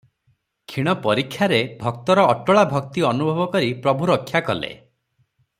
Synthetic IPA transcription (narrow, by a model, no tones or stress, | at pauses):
kʰiɽ̃ɔpɔɾikʰːjaɾebʱɔk̚t̪ɔɾɔːʈɔɭabʱɔk̚t̪iɔnubʱɔbɔkɔɾipɾɔbʱuɾɔkʰːjakɔ̰lḛ